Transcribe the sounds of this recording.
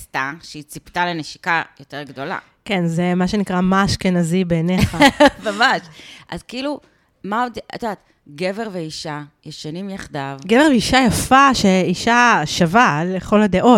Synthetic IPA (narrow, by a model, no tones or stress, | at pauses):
st̪aʃeit͡sipt̪aleneʃi̥kajote̞ʁɡd̪o̞la̰ | ke̞nzemaʃe̞nikʁamaʃkenazibeːneχamamaʃʔa̰zkilu | maoda̰t̪od̪aːt̪ | ɡe̞veʁveiʃajeʃanimjaχd̪avɡeve̞ʁveiʃajafaʃe̞iʃaʃavaleχo̞lad̪e̞ʔo̞t